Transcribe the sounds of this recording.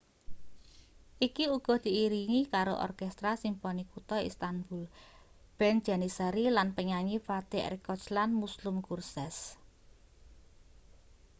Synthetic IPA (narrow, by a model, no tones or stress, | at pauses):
ʔikiuɡ̥ɔ̤d̪̥i̤iɾiŋikaɾo̰ʔɔ̰rkɛst̪ɾasimpɔnikut̪ɔḭst̪anbulb̥ɛnd̥d͡ʒ̥a̤nisəɾilanpəɲaɲifat̪ḛɾikɔt͡ʃlanmuslʊmkursɛs